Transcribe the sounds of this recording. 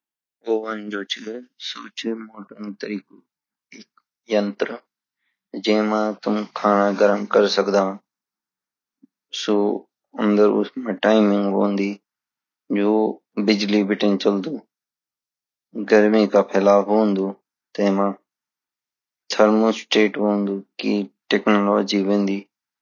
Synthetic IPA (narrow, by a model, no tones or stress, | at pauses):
oːʋənd͡ʒoːt͡ʃʰɪsoːt͡ʃʰɪmoːʈəŋt̪əɾiːkoː | ek | jənt̪ɾə | d͡ʒẽːmãːt̪ʊmkʰaːnaːɡəɾəmkəɾsəkd̪ãː | soː | ə̃nd̪əɾʊ̰smãːʈaːɪmɪ̃ŋɡɦo̰ːnd̪iː | d͡ʒoː | bɪd͡ʒliːbɪʈənt͡ʃəld̪uː | ɡəɾmiːkaːpʰeːlaːfɦoːnd̪uː | t̪ẽːmãː | t̪ʰəɾmosʈeːʈɦoːnd̪uːkiːʈeːknoːloːd͡ʒiːʋẽːnd̪iː